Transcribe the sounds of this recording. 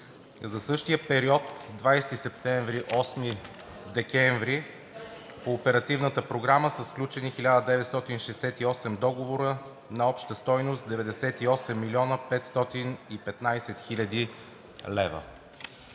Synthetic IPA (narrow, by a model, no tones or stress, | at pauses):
zɐsɤʃt̪iəpɛɾiɔt̪d̪vajst̪isɛpt̪ɛɱvɾiʔɔsmi | d̪ɛkɛɱvɾi | poːpɛɾɐt̪ivnət̪əpɾoɡɾaməsəfsklʲut͡ʃɛnixilʲad̪əd̪ɛvɛt̪st̪ɔt̪inʃɛjsɛt̪iɔsɛmd̪ɔɡovoɾə | nɐɔpʃt̪əst̪ɔjnost̪d̪ɛvɛd̪ɛsɛt̪iɔsɛmːilʲiɔnəpɛt̪st̪ɔt̪inipɛt̪najsɛt̪xilʲɐd̪i | lɛvə̰